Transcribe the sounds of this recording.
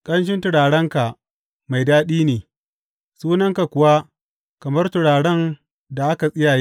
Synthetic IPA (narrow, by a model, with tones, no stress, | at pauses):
kʼɐ˦nʃ̬ɪ˦ntʊ˨ɽaː˨ɽɐ˦ŋka˨ | ma˨jdaː˦ɗiː˦neː˨ | suː˦nɐ˦ŋka˨kʷʊ˨wa˦ | kɐ˨mɐ˦rtʊ˨ɽaː˨ɽɐ˦ŋ | da˨ʔa˦ka˨sʼɪ˦jaː˨jeː˦